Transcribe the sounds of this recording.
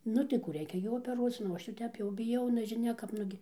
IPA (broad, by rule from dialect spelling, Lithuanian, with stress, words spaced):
ˈnʊ tɐɪ ˈkuː ˈrʲɛɪkʲɛ jɛʊ oːpʲɛˈruɔt͡s ˈnʊ oː ˈɐʃ jɛʊ ˈtʲɛp bʲɪˈjɛʊ nʲɛʒʲɪˈnʲɛ kɐp ˈnʊɡʲɪ